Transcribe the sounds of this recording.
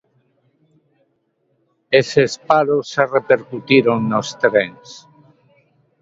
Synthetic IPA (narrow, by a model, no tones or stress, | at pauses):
esespaɾosarepeɾkut̪iɾoŋnost̪ɾeŋs